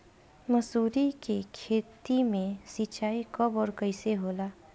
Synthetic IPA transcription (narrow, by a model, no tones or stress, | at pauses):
mɐsuːɾikekʰeːt̪imẽsit͡ʃaːikɐbɔːɾkəɪseɦoːlaː